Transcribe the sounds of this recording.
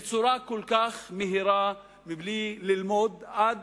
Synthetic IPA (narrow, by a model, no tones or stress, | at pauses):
t͡suɾakolkaχmeɦiɾa | mɪblililmod̪ʔad̪